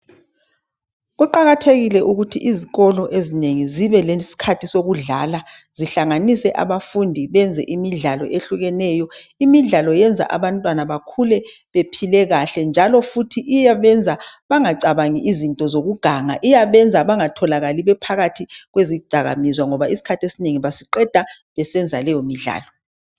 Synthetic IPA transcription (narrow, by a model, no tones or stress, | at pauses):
ɣuǃaɣatʰeɣilɛʔuɣutʰiʔiziɣɔlɔʔezineŋiziβɛlesi̥kʰatʰisoɣuɮa̰laziɬaŋanisɛʔa̰βafundʱiβɛnd͡zʱɛ̰ʔimiɮalɔ̰ʔeɬuɣɛnɛjɔimiɮalɔjɛnd͡zʱa̰ʔaβantʼwanaβakʰulɛ | βepʰilɛɣaɬɛnd͡ʒʱalɔfutʰiʔijaβɛnd͡zʱaβaŋaǀaβaŋiʔizintʼɔzoɣuɡ̥ʱaŋaʔijaβɛnd͡zʱaβaŋatʰɔlaɣaliβɛpʰaɣatʰiɣweziud̥ʱaɣa̰mizwaŋɔβaisi̥kʰatʰiesineŋiβasiǃɛd̥ʱa | βɛsɛnd͡zʱalɛjɔmiɮa̰ːlɔ